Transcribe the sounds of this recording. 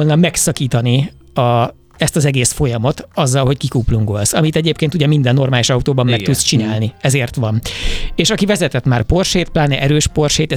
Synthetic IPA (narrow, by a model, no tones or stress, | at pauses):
lnɒmɛksɒkiːt̪ɒni | ɒ | ɛst̪ɒzɛɡeːsfo̞jɒmo̞t̪ɒzːɒlɦo̞ckikuːpluŋko̞lsɒmit̪ɛɟeːpkeːnt̪uɟɛmind̪ɛnːo̞rmaːliʃɒut̪oːbɒmːɛkt̪ut̪st͡ʃinaːlniɛzeːrt̪ʋɒneːʃɒkivɛzɛt̪ɛt̪maːrpo̞rʃeːt̪̚plaːnɛʔɛɾøːʃpo̞rʃeːt̪ɛ